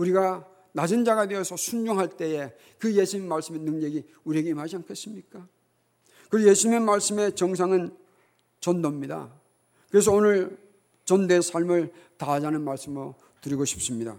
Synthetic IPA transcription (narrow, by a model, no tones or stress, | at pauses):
uɾiɡa | nad͡ʑɯnd͡ʑaɡadeʌsʰʌsʰund͡ʑoŋɦaɭt͈e̞e̞ | kɯje̞sʰuɲimmːaɭs͈ɯme̞nɯŋɲeɡi | uɾieɡeimɦad͡ʑiankʰe̞s͈ɯmɲik͈a | kɯɾje̞sʰuɲimemaɭs͈ɯme̞t͡ɕʌŋs̬ʰaŋɯn | t͡ɕʌndʌmɲida̰ | kɯɾe̞s̬ʰʌonɯɭ | t͡ɕʌnde̞sʰaɭmɯɭtad͡ʑanɯnmaɭs͈ɯmɯo | tɯɾiɡoɕʰi̥p̚s͈ɯmɲida̰